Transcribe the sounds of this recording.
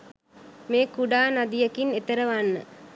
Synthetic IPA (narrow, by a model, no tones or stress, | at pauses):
meːkuɖaːnad̪ijəkinet̪əɾəʋanːə̰